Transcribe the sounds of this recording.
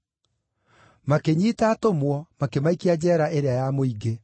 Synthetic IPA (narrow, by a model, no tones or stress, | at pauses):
makeɲiːtaːtomwɔmakemaikiad͡ʑɛːɾaʔeɾeajamoiɡe